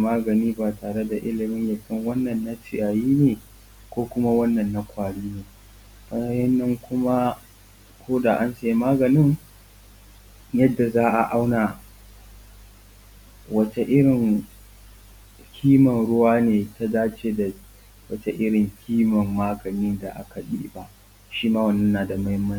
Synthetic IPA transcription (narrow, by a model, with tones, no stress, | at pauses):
maː˦ɡɐ˨niː˦baː˨taː˨ɽe˦da˨ʔɪ˦lɪ˨mɪ˦ɲja˨kʲɪ˦ŋwɐ˦nːɐ˨nːa˦sɪ˨jaː˨jiː˦neː˨ | kʷoː˦kʷʊ˦ma˦wɐ˦nːɐ˨nːa˦kʷaː˨ɽiː˦neː˨ | ba˦a˦jɐ˦nːɐ˦ŋkʷʊ˦ma˦ | kʰʷoː˦da˨ʔa˦nse˦˨maː˦ɡɐ˨nɪ˦ŋ | jɐ˦dːa˨zaː˦ʔa˨ʔa˦wnaː˨ | wɐ˦t͡ʃe˨ʔɪ˦ɽɪ˨ŋ | kʲʰiː˦mɐ˨nɽʊ˦waː˦neː˨ta˦daː˦t͡ʃeː˦da˨ | wɐ˦t͡ʃe˦ʔɪ˦ɽɪ˨ŋkʲʰiː˦mɐ˨mːaː˦ɡɐ˨niː˦da˨ʔa̰˦ka˨ɗḭː˦ba˨ʔ | ʃiː˦maː˦wɐ˨nːɐ˦nːaː˨da˨ma˦jmɐ˦n˦